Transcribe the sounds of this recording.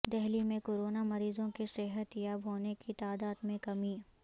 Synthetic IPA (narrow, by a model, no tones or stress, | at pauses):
d̪ɛɦlimẽkoːɾoːnamɐɾiːzõkesɪɦət̪jaːbɦoːnekit̪aːd̪aːd̪mẽkɐmiː